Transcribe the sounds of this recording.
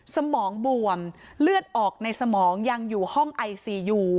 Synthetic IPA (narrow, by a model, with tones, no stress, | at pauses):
sa˧mɔː˩˦ŋbu˨˩əm | lɯ˥˩ət̪̚ʔɔː˨˩k̚na˧jsa˧mɔː˩˦ŋja˧ŋjuː˨˩hɔ˥˩ŋʔa˧jsiː˧˩juː˧˩